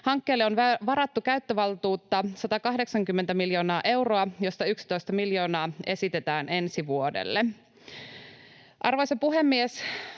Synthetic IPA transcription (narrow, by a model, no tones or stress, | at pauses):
hɑŋkːeːlːeo̞nʋɑɾɑt̪ːukæyt̪ːøʋɑlt̪uːt̪ːɑsɑt̪ɑkɑɦde̞ksɑŋkymːe̞nt̪æmiljo̞ːnɑːʔe̞wro̞ɑjo̞st̪ɑyksi̥t̪o̞jst̪ɑmiljo̞ːnɑːe̞sit̪e̞t̪æːne̞nsiʋuo̞dḛlːe | ʔɑrʋojsɑpuɦemːies